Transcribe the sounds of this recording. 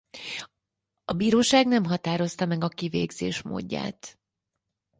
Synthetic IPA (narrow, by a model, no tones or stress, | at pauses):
ɒbiːɾoːʃaːɡnɛmɦɒt̪aːɾo̞st̪ɒmɛɡɒkivḛːɡzḛːʃmo̰ːɟːa̰ːt̪